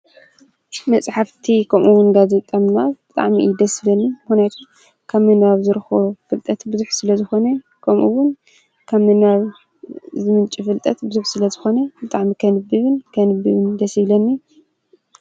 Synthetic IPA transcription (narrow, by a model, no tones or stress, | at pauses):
mɐt͡sʼħaft̪ʰikʰɐmʔuwunɡazet̪ʼɐmnab̥ɨt̪ʼa̰ʕmḭd̪ɐsilɐnːimɨxnjat̪ʰu | kʰaβmɨnaβzɨɾɨxofɨlt̪ʼɐt̪bɨzuħsɨlɐzɨxo̞nɐ | kʰɐmʔṵwʊn | kʰamɨnaβ | zɨmɨnt͡ʃʼifɨlt̪ʼɐt̪bɨzuħsɨlɐzɨxo̞nɐbɨt̪ʼaʕmikʰɐnɨbɨβɨnkʰɐnɨbɨβɨnd̪ɐsiβlɐnːi